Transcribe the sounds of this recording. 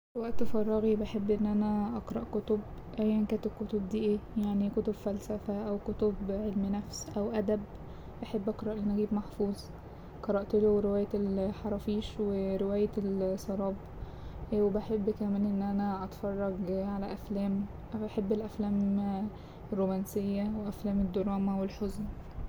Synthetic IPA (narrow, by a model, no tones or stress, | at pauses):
lwæʔt̪ːfɑrˤːɑɣibaħebːʔenːʔænæʔɑqɾˤɑʔkot̪ob | ʔæjːænkæːnt̪ekot̪ob̚d̪iːʔeːjaʕnikot̪obfælsæfæʔæwkot̪obʕelmnæfsʔæwʔæd̪æb | ʔaħebːʔɑqɾˤɑʔelʔænʔæɡiːbmaħfuːzˤ | qɑɾˤɑʔt̪eloɾewæːjælħɑɾˤɑfiːʃweɾewæːjæelsˤɑɾˤɑːb | ʔwebaħebːkæmæːnʔenːʔænæʔɑt̪fɑrˤːɑɡʕalæʔæflæːm | ʔaħebːelʔæflæːm | rːomænsejːæweʔæflæːmed̪ːoɾˤɑːmæwelħozn